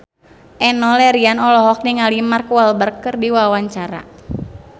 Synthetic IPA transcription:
ʔɛnɔlɛɾianɔlɔɦɔk̚niŋalimarkualbərkɨrdiwawaɲt͡ʃaɾa̰

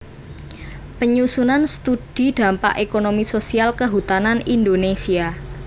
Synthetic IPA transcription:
pəɲusunanst̪ud̥i̤d̪̥a̤mpa̰ʔekonomisosialkəɦut̪ananind̪onesia

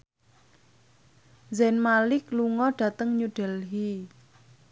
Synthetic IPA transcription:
zɛnmalɪkluŋɔɖ̥ä̤t̪əŋɲuɖ̥ɛ̤lɦi

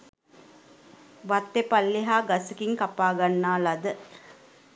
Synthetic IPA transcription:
ʋat̪ːepalːeɦaːɡasəkiŋkapaːɡanːaːlad̪ə

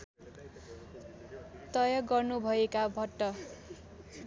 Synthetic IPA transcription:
t̪ʌjʌɡʌrnubʱʌekabʱʌʈːʌ

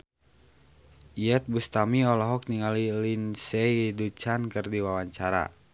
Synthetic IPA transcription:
iɛt̪̚bust̪amiɔlɔɦɔk̚niŋalilinsɛdut͡ʃankərdiwawaɲt͡ʃaɾa̰

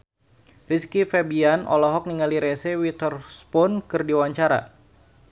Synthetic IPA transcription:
riskifɛbianʔɔ̰lɔɦɔk̚niŋaliɾɛsɛwit̪ɔrspɔnkɨrdiwaɲt͡ʃaɾa̰

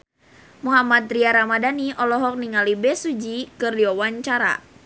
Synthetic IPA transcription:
muɦamat̪̚ɾiaɾamadaniʔɔlɔɦɔk̚niŋalibɛsud͡ʒikərdiɔwaɲt͡ʃaɾa̰

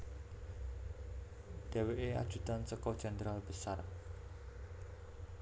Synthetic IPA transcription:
d̥e̤weʔea̰d̥ʒ̥ṳt̪ansəkɔd̥ʒ̥and̪ɾalb̥əsa̰r

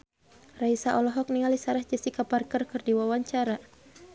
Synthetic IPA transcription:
raisaʔɔlɔɦɔk̚niŋalisaɾahd͡ʒɛsikaparkərkɨrdiwawaɲt͡ʃaɾa

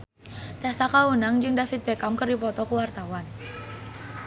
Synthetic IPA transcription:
t̪ɛasakaunaŋd͡ʒɨŋdafit̪̚pekamkərdipɔt̪ɔkuwart̪awan

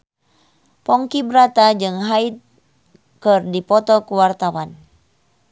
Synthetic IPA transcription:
pɔŋkibɾat̪ad͡ʒɨŋɦait̪̚ | kɨrdipɔt̪ɔkəwart̪awan

